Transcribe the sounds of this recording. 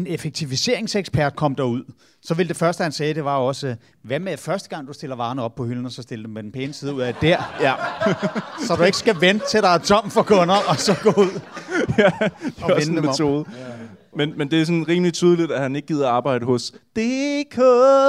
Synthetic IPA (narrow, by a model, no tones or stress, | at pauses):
enefeɡ̥̚t͡sʰiʋise̝ɐ̰e̝ŋseɡ̥spʰæɐ̰d̥̚kʰɒ̽m̰d̥ɑ̈uð̞̰ˠ | sɒ̽ʋe̝ld̥e̝fɶɐsd̥əhænsɛːd̥e̝ʋɑ̈ɒ̽sə | ʋæmeðfɶɐsd̥ə̥ɡ̥ɑ̈ŋ̰d̥usd̥e̝lɐʋɑ̈ːnəɒ̽b̥̚pʰɒ̽hyln̩ɒ̽sɒ̽sd̥e̝ld̥emed̥enpʰɛːnəsið̞ˠuð̰ˠæd̥æɐ̰ | sɒ̽d̥ue̝ɡ̥əsɡ̥æʋent͡sʰe̝ɾ̥ɑ̈ɪt͡sʰɒ̽m̰fɒ̽kʰɔ̽nɐɒ̽sɒ̽ɡ̥ɔuð̞̰ˠæd̥eɒennmet͡sʰo̝ːðˠ | menmend̥e̝æs̬ɔ̽nʁiːmlit͡sʰyːð̞ˠəlid̥æhæne̝ɡ̥̚ɡið̞̰ˠɐɑ̈ːb̥ɑ̈ɪ̰ɾəhɔ̽sd̥ekʰo